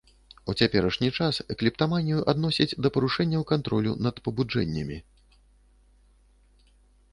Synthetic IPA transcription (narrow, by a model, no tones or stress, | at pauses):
ut͡sʲapʲɛɾɐʂnʲit͡ʂasɛklʲipt̪amanʲijuʔad̪nɔsʲid͡zʲd̪ɐpɐɾuʂɛnʲːɐwkant̪ɾɔlʲṵnɐt̪pɐbud͡ʐɛ̰nʲːɐmʲi